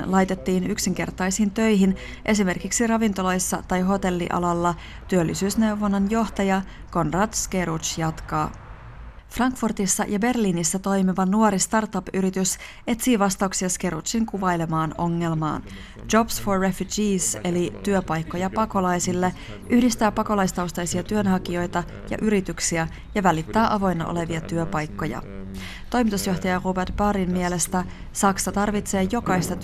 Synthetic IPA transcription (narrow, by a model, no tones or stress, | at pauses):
lɑjt̪e̞t̪ːiːnyksiŋk̟e̞rt̪ɑjsint̪ø̞jɦin | ʔe̞sime̞rkiksirɑʋint̪o̞lɑjsːɑt̪ɑjɦo̞t̪e̞lːḭʔɑ̰lɑlːɑ | t̪yølːisyːsne̞wʋonːɑnjo̞ht̪ɑjɑ | ko̞nrɑt̪skeɾut͡ʃjɑt̪kɑː | frɑŋkfurt̪isːɑ̰jʔɑbe̞rliːnisːɑt̪o̞jmiʋɑnuoɾist̪ɑrt̪ɑpyɾit̪ys | e̞t̪siːʋɑst̪ɑuwksiɑske̞ɾut̪t͡ʃiŋkuʋɑjle̞mɑːno̞̰ŋːe̞lmɑ̰ːn | d͡ʒo̞psforːefyd͡ʒiːse̞lit̪yøpɑjkːo̞jɑpɑko̞lɑjsilːe | ʔyhdist̪æːpɑko̞lɑist̪ɑwst̪ɑisiɑt̪yø̞nɦɑk̟io̞jt̪ɑ | jɑ̰ʔyɾit̪yksiæ | jɑʋælit̪ːæːʔɑʋo̞jnːɑ̰ʔo̰le̞ʋiɑt̪yøpɑjkːo̞jɑ̰ | t̪o̞jmit̪usjo̞ht̪ɑjɑʁubert̪̚b̥ɑɾimmiele̞st̪æ | sɑksɑt̪ɑrʋit̪se̞ːjo̞kɑijst̪ɑt̪